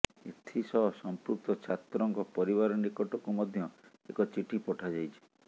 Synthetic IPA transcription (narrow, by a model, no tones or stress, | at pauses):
et̪ʰisɔɦɔsɔmpɾuk̚t̪ɔt͡ʃʰat̪ɾɔŋkɔpɔɾiβaɾɔnikɔʈɔkumɔd̪ʱjɔ | ekɔt͡ʃiʈipɔʈʰad͡ʒajt͡ʃʰi̥